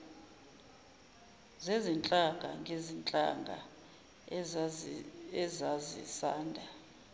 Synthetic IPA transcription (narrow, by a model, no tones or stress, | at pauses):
zezint͡ɬʼaŋɡ̥ʱa̰ŋʱezint͡ɬʼa̰ŋɡʱa̰ | ɛzazḭsaːndʱa